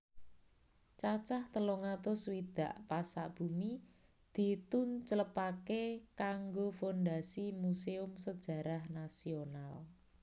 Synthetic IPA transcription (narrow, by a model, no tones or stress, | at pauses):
t͡ʃat͡ʃaht̪əloŋat̪ʊswid̪̥a̤ʔpasa̰ʔb̥ṳmi | d̪̥i̤t̪ʊnt͡ʃələpakekaŋɡofond̪asimuseʊmsəd̥ʒ̥ä̤ɾahnasional